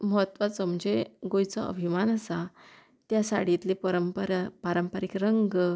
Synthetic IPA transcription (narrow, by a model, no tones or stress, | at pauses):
məɦət̪ʋasəmd͡ʑeɡojt͡səə̰bʱimanəsa | t̪jasaɽ̤it̪lepəɾəmpəɾpaɾəmpəɾikɾəŋɡ